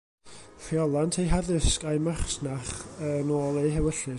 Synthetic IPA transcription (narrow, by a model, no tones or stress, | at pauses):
fiɔlˠantʰejɦaðɪskajmarsnaχənoːlˠejɦɛwəɬɨ